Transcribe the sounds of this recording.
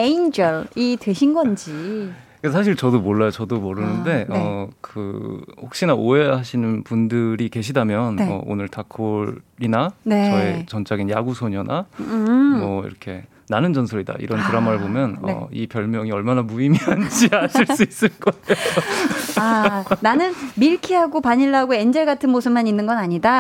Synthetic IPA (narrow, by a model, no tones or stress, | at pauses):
eind͡ʑʌɭitwe̞ɕʰinɡʌnd͡ʑi | kasʰaɕ̬ʰiɭt͡ɕʌdomoɭːajot͡ɕʌdomʌɾɯnɯnde̞ʌkɯhok̚ɕ͈inaʔoeɦaɕʰinɯnpundɯɾike̞ɕʰidamjʌnʌ̰o̰nɯɭtakʰoɾinanet͡ɕʌet͡ɕʌnt͡ɕ͈aɡinjaɡusʰoɲʌna | mʌḭɾʌkʰe̞̰ | nanɯnd͡ʑʌnsʰʌɾida̰ʔḭɾʌntɯɾamaɾɯɭbomjʌnʌ̰ḭpjʌɭmjʌŋiʌɭmanamuimiand͡ʑiaɕʰiɭss͈uis͈ɯɭk͈ʌejoananɯnmiɭkʰiɦaɡopaɲiɭːaɡoe̞nd͡ʑʌɭɡatʰɯnmosʰɯmaninːɯnɡʌnaɲida